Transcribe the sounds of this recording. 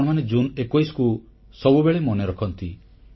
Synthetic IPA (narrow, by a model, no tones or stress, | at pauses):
ɽ̃ɔmaned͡ʒunekojsku | sɔbubeɭemɔneɾɔkʰɔnt̪i